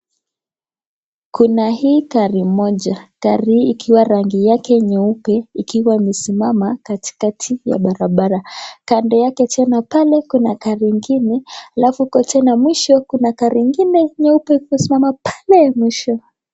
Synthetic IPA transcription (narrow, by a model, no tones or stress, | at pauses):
kunahiːkaɾimɔʄakaɾiiːkʰiwaɾaŋɡijakɛɲɛupɛikiwaimɛsimamakati̥katʰija̰ɓaɾaɓaɾakandɔjakɛtʰɛnapalɛkunakaɾiŋɡinɛalafuukɔtʰɛnamwiʃɔkunakaɾiŋɡinɛɲɛupɛkusimamapḁlɛmwiʃɔ